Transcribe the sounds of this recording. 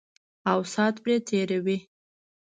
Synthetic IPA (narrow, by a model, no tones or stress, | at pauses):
awsɑt̪bɾet̪ʰeɾawi